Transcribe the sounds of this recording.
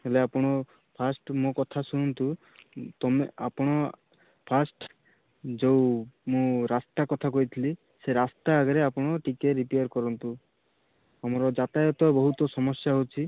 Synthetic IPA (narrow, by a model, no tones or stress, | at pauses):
eleapɔɽ̃ɔ | pʰasʈmõkɔt̪ʰasuñɔnt̪u | t̪ɔmea̰pɔɽ̃ɔ | pʰasʈ | d͡ʒewmũɾast̪akɔt̪ʰakɔɦit̪ʰili | seɾast̪aːɡɔɾeapɔɽ̃ɔʈikeɾipejaɾkɔɾɔnt̪u | amɔɾɔd͡ʒat̪ajɔt̪ɔbɔɦut̪ɔsɔmɔsjaɦot͡ʃʰi